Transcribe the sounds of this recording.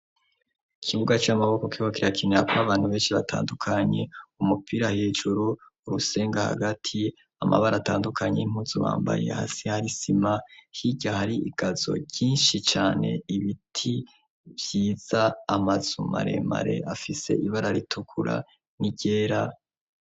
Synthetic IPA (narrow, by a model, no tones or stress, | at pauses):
kʰiβuɡat͡ʃamaβo̞ko̞kiwakiɾakineɾakaβaːn̥huβe̞ːnʃiβatʰa̰ːndukʰaɲe̞umupʰiɾaheːʒuɾuː | ɾuse̞ːŋɡaha̰ɡatʰi | amʔa̰βaɾataːndukʰaɲḛim̥uzuβa̰ːmba̰je̞̰ha̰sehaɾisimahiɟahaɾiiɡ̥azo̞̰ɟiːnʃit͡ʃaːne̞̰iβitʰi | vjiːz̥aːmaz̥uma̰ɾe̞̰ma̰ɾe̞̰afise̞̰iβaɾaɾitʰukʰuɾa̰ | niɟe̞ːɾa